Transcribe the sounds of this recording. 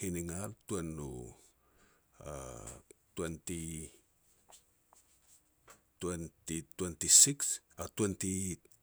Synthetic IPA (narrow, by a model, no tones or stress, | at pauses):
hiniŋaltuenːṵ | a̰ | twenti | tuentitwentisiksatuenti